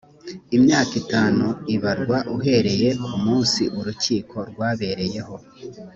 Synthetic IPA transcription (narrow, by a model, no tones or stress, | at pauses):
imɲaːkitaːnuiβaɾɡwaʔuɦe̞ɾe̞je̞kumuːnsiʔuɾuciːkʰo̞ɾɡwaːβe̞ɾe̞je̞ho̞